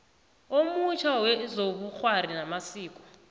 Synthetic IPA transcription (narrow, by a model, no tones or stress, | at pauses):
omut͡ʃʰawɛzoɓuk͡xwaɾinamasiːkʼɔ̥